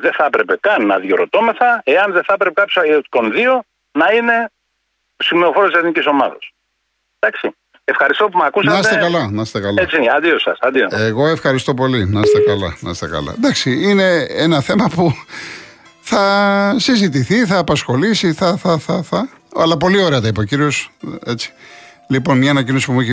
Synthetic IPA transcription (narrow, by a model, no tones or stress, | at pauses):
ðeθɐpɾe̞pe̞kɐnːɐðjoɾot̪o̞me̞θɐe̞ɐnðeθɐpɾepekɐpjosɐko̞nðio̞ | nɐine̞ | simeofoɾot̪iseθniciso̞mɐðɐ̰s | d̪̥ɐksi | efxɐɾist̪o̞pumɐkusɐnɐst̪ekɐlɐnɐst̪ekɐlet͡ssiɐnd̪iosɐ̰sɐnd̪ioeɣo̞e̞fxɐɾist̪o̞po̞linɐst̪ekɐlɐ̰nɐ̰st̪ekɐ̰lɐ̰d̪ɐksiine̞enɐθe̞mɐpu | θɐsizit̪̬iθiθɐːpɐsxo̞lisiθɐθɐθɐθɐ | ɐ̰lɐpo̞lio̞ɾe̞ɐt̪ɐipɐociɾio̞set͡si̥ | lipo̞nmɲɐːnɐcino̞si̥pumuiç